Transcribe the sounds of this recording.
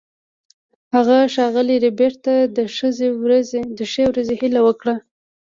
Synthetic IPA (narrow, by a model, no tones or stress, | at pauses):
haɣaʃɑɣəliɾebeɾt̪ad̪əʃəzewɾazd̪əʃewɾazehilawəkɽa